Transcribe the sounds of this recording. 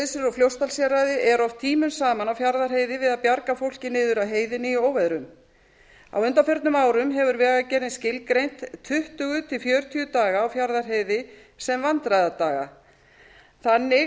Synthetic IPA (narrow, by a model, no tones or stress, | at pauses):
sɪɾɔɣfljowst̪alsjɛɾaðɪʔɛɾɔft̪ʰiːmʏnsaːmanawfjaɾðaɾ̥ɦeːjðɪvɪðaðpjaɾkafowl̥cɪnɪːðʏɾawɦeːjðɪnɪioːwvɛðɾʏm | a̰wʏnt̪afjœɾt̪nʏmaːwɾʏmɦɛvʏɾvɛːɣacɛːɾɪnscɪlkɾejn̥t̪t̪ʰːʏht̪ʏɣʏt̪ʰɪlfjœːɾt̪ʰiʏt̪aːɣaːwfjaɾðaɾ̥ɦeːjðɪ | sɛmvant̪ɾajðat̪aːɣa̰ | θanːɪ